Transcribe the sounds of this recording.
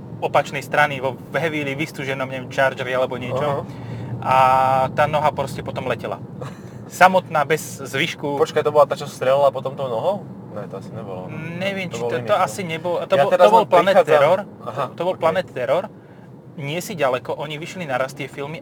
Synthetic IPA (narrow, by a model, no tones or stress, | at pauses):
ɔpat͡ʃnɛjst̪ɾaniʋɔ | ʋɦɛʋiliʋist̪uʒɛnɔmɲɛʋɛmt͡ʃaːɾd͡ʒɛɾialɛbɔɲɪɛt͡ʃɔʔat̪aːnɔɦapɾɔscɛpɔt̪ɔmlɛcɛla̰ | samɔt̪naːbɛzzʋiʃkupɔt͡ʃkajt̪ɔbɔlat̪at͡ʃɔst̪ɾɛlɛlapɔt̪ɔmt̪ɔnɔɦɔ | nɛt̪ɔasiɲɛbɔ̰lɔ̰ɲɛʋɪɛmt͡ʃiɔɔasiɲɛbɔlat̪ɔɔt̪ɔbɔlplanɛt̪ːɛɾɔɾ | t̪ɔbɔlplanɛt̪t̪ɛɾɔɾ | ɲɪɛsiɟalɛkɔʔɔɲiʋiʃlinaɾast̪ɪɛfilmi